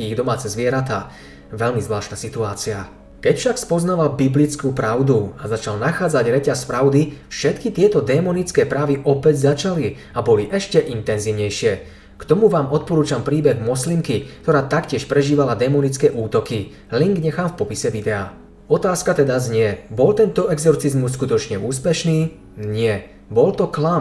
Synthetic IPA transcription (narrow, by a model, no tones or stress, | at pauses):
iiɣd̪ɔmaːt͡sɛzʋɪɛɾat̪aː | ʋɛʎmizʋlaːʃt̪nasit̪uaːt͡sia | kɛcfʃakspɔznaʋalbiblit͡skuːpɾaʊd̪uazat͡ʃalnaxaːd͡zaɟɾɛcaspɾaʊd̪ifʃɛt̪kit̪ɪɛt̪ɔd̪ɛːmɔnit͡skɛːpɾaːʋiʔɔpɛɟzat͡ʃali | abɔliʔɛʃcɛʔint̪ɛnziːʊɲɛjʃɪɛ | kt̪ɔmuʋaːmɔt̪̚pɔɾuːt͡ʃampɾiːbɛɣmɔslimkikt̪ɔɾaːt̪akcɪɛʃpɾɛʒiːʋalad̪ɛmɔnit͡skɛːʔuːt̪ɔki | liŋɡɲɛxaːmfpɔpisɛʋid̪ɛaː | ɔt̪aːskat̪ɛd̪azɲɪɛbɔlt̪ɛnt̪ɔɛɡzɔɾt͡sizmus̬ːkut̪ɔt͡ʃɲɛuːspɛʃniː | ɲɪɛ | bɔlt̪ɔklam